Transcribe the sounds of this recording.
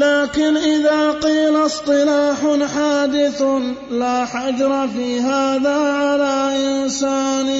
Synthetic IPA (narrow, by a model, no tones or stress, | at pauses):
laːkɪnʔɪðaːqiːlasˤt̪ˤɨlaːħʊħaːd̪ɪθ | laːħad͡ʒɾˤɑfiːɦaːðaːʕalaːʔɪnsaːn